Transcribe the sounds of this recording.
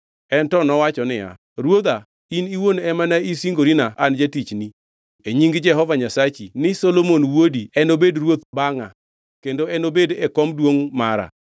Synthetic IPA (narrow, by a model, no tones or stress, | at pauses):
ɛntɔnɔwat͡ʃɔnɪja̰ | ɾwod̪a | iniwonɛmanaisiŋɡoɾinaʔand͡ʒatit͡ʃni | eɲiŋɡd͡ʒɛɦɔvaɲasat͡ʃinɪsolomonwodiɛnobedrwot̪baŋa̰ | kendoɛnobedɛkɔmdwoŋmaɾa̰